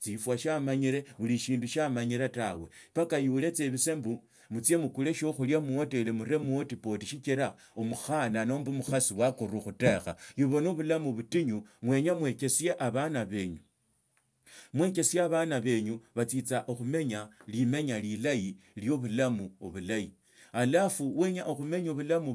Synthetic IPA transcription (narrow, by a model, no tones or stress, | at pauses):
t͡sifwaʃamaɲiɾe̞βuliʃiːnduʃamaɲiɾatawe̞pakajuːle̞t͡seβise̞mbu | mut͡sje̞mukule̞ʃoxuljamuote̞lemuɾe̞muotipo̞tiʃit͡ʃiɾa | omuxanano̞mbumuxasiwakuɾuxutexa̰juβo̞noβulamuβutiɲuŋwe̞ːɲamwe̞ke̞sijeʔaβanaβe̞ːɲu | mwe̞ke̞sijaβanaβe̞ːɲuβat͡sit͡saʔoxume̞ɲalime̞ɲalilajiljo̞βulamuoβulaji | alafuwe̞ɲaʔoxume̞ɲoβulamu